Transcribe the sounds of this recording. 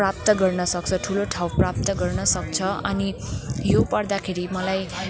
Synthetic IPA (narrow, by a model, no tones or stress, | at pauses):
rap̚t̪ʌɡʌrnʌsʌk̚t͡sʰʌʈʰuloʈʰawprap̚t̪ʌɡʌrnʌsʌk̚t͡sʰʌʌnijopʌrd̪akʰeɾimʌlaj